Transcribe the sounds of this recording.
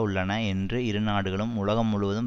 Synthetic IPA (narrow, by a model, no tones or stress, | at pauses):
ʊɭːɐnɐɛndrɯɪɾɯnaːɽɯɣɐɭɯmʊɭɐɣɐmːʊɻɯʋɐðɯm